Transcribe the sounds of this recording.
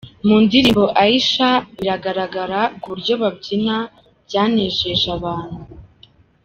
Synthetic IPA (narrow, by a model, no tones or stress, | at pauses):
muːndiɾiβo̞ʔaiʃaβiɾaɡaɾaɡaɾaɡuuɾɟo̞βabɟina | bjaːneʒe̞ʒaβaːn̥hu